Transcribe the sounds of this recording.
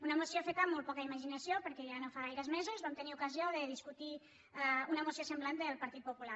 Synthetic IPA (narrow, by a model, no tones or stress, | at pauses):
unəmusiofet̪amːolt̪̚pɔkəiməʒinəsjopəɾkɛʒanofaɣajɾəzmezuzβamt̪əniukəzioðəðiskut̪i | aunəmusiosemblant̪d̪əlˠpaɾt̪it̪pupula